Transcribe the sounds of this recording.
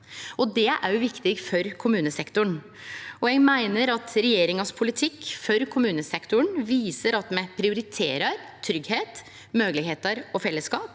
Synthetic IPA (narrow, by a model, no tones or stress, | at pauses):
ɔd̪ɛʔæɾjʊʋɪkt̪ɪɡfɔɾkʰʊmʉːnəsɛkt̪ʊɳ | ɔjɛɡmæɪnəɾɑt̪ɾɛjeːɾɪŋɑspʰʊlɪt̪ʰɪkːfɔɾkʰʊmʉːnəsɛkt̪ʊɳʋiːsəɾɑt̪mɛpʰɾɪʊɾɪt̪ʰḛːɾɑɾt̪ʰɾʏɡheːt̪ | møːɡlɪɡheːt̪ɑɾɔfɛlːəskɑːp